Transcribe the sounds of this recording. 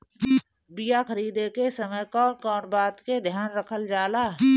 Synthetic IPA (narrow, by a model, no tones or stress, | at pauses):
bijaxəɾiːd̪ekesəməjkɔːkɔːɳbaːt̪ked̪ʱjaːnɾəkʰəld͡ʒaːlaː